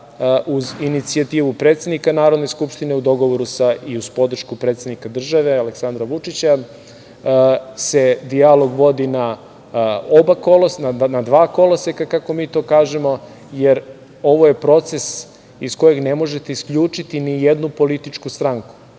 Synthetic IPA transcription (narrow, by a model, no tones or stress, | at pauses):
ʔuzinit̪siat̪iːʋupɾet̪sʲe̞d̪nikanaːɾo̞d̪neskupʃt̪ineud̪o̞ɡo̞ʋoɾusaiuz̥po̞d̪r̩ʃkupɾet̪sʲed̪nikad̪r̩ʒaʋe̞aleksand̪ɾaʋut͡ʂit͡ɕa | se̞d̪ialo̞ɡʋo̞d̪ina | obakolosnanad̪ʋaːko̞losekakako̞miːt̪o̞ːkaːʒemo̞ | jeɾ | o̞ʋoje̞pɾo̞t̪se̞s | isko̞je̞ɡne̞mo̞ʒe̞t̪e̞iskʎʲuːt͡ʂit̪inijed̪nupo̞lit̪it͡ʂkust̪ɾaŋku̥